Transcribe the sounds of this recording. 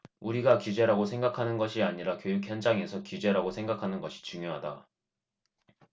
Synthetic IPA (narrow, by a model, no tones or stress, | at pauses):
uɾiɡakjud͡ʑe̞ɾaɡosʰe̞ŋɡakʰanɯnɡʌɕʰiaɲiɾakjojuk̚ʰçjʌnd͡ʑaŋe̞sʰʌkud͡ʑe̞ɾaɡosʰe̞ŋɡakʰanɯnɡʌɕʰi̥t͡ɕuŋjoɦada